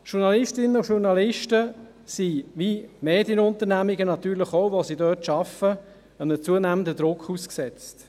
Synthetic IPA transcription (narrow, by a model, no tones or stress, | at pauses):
ʃuɾnɑlɪstɪnəuʃuɾnɑlɪʃtə | siʋimeːdjənʊnt̪əɾnæmiɡənɑt̪yːɾləχoʊʋosidœːtʃɑfə | ənət͡suənæːməndəd̥̪ɾʊkχusksɛt͡st